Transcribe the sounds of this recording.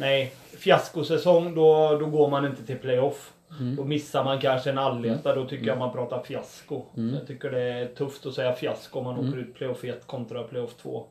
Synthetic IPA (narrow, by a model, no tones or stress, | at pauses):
nɛj | fjaskʊsɛsɔŋːd̪ɔd̪ɔɡoːɾmanɪnt̪ət̪ʰɪlpʰlɛjɔf | d̥̪ɔmɪsːaɾmankʰanʂəɛnalːeːt̪ad̪ɔt̪ʰʏkːəjamanpʰɾɑːt̪aɾfjaskʊjɑːt̪ʰʏkːəɖɛæʈʰɵft̪ɔsɛjːafjaskʊɔmːanoːkəɾʉ̟ːt̪̚pʰlɛjɔfɛt̪ːkʰɔnt̪ɾapʰlɛjɔft̪ʰvo̰ː